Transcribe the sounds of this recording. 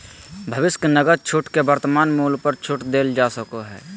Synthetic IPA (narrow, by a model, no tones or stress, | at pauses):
bʱəʋɪsknəɡəɾ̚t͡ʃʰʊʈkebəɾt̪əmaːnmuːlpəɾt͡ʃʰʊʈd̪eːld͡ʒaːsəkoɦɛ̰ː